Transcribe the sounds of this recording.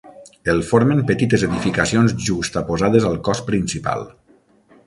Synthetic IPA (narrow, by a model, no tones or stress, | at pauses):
elˠfoɾmempət̪it̪ezeðifikasionzʒust̪apozaðezalˠkɔspɾinsipa̰lˠ